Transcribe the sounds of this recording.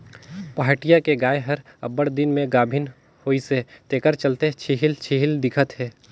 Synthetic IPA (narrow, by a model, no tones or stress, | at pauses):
paɦaːʈijakeɡaːeɦɐɾɐbəɽd̪ɪnmẽɡaːbʱɪn | hoːiset̪eːkəɾt͡ʃəlt̪et͡ʃʰiɦɪlt͡ʃʰiɦɪld̪ɪkʰət̪ɦɛː